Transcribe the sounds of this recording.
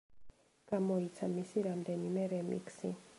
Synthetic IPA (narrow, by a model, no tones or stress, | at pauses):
ɡ̥amɔit̪sʰamisiɾamd̪ɛnimɛɾɛmḭksḭ